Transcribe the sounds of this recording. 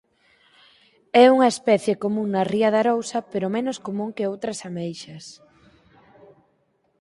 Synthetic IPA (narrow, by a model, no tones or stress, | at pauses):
ɛuŋɐespɛθjekomũŋnːɐriɐðɐɾowsɐpeɾomenoskomũŋkeowt̪ɾɐsamejʃɐs